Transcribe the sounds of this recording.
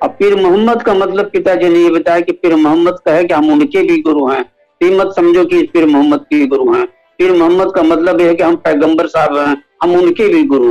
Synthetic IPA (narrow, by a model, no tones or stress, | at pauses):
ɔːpɪɾmʊɦəmːəd̪kamɐt̪ləb̚pɪt̪ad͡ʒenejebɪt̪aːjekipɪɾmʊɦəmːəd̪̚kɐɦɛkiɦɐmʊnkebʱiɡʊɾuɦɛ̃ː | piːmət̪sɐmd͡ʒʱokipɪɾmʊɦəmːəd̪̚kiɡʊɾuɦɛ̃ː | pʰɪɾmʊɦəmːəd̪̚kamɐt̪ləbjeɦɛkiɦɐmpɛːɡə̃mbəɾsaːbɦɛ̃ːɦɐmʊnkebʱiɡʊɾu